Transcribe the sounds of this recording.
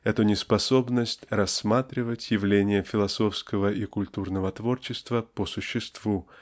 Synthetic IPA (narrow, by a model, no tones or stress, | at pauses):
ɛt̪ʊnʲɪspɐso̞bnəsʲtʲrɐsːmat̪ɾʲɪvətʲjɪvlʲenʲɪjəfʲɪlˠɐso̞fskəvəʔikʊlʲt̪urnəvət̪vo̞rt͡ɕɪst̪vəpəsʊɕːɪst̪vu